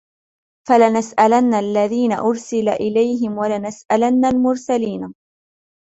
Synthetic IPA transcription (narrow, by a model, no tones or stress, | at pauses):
falanasʔalanːalːaðiːna̰ʔʊɾsɪlaʔɪlajɦɪmwalanasʔalanːalmʊɾsaliːna